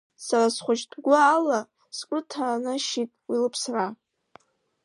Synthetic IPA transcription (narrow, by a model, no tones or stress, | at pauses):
sarasχʷʊt͡ʃdʰʼɡʷaːla | skʷʼʊtʰanɨʃitʼwilɨpʰsra